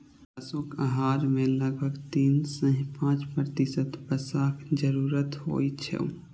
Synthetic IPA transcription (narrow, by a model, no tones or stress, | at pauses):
əsokəɦaːɾmẽləɡ̚bʱəɡt̪iːnsə̃ɦĩpãːt͡ʃpɾəɾt̪isət̪bəsaːkd͡ʒəɾuːɾət̪ɦo̰ːjt͡ʃʰḛ